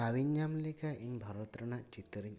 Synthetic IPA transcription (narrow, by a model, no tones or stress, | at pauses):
awiɲjamlekaʔeɲbʱɔɾɔt̪ɾɔɳaʔt͡ʃit̪ɾiɲ